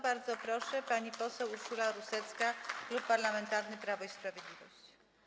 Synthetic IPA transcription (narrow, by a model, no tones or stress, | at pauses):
baɾd̪zɔpɾɔʂɛpaɲipɔsɛwuʂulaɾusɛt̪skaklupːaɾlamɛnt̪aɾnɘpɾavɔispɾavʲjɛd̪lʲivɔɕt͡ɕ